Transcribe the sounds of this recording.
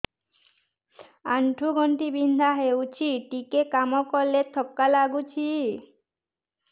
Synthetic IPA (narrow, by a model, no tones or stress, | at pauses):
aɳʈʰuɡɔnʈibind̪ʱaɦeut͡ɕʰiʈikekamokɔlːet̪ʰːɔkːalaɡut͡ɕʰi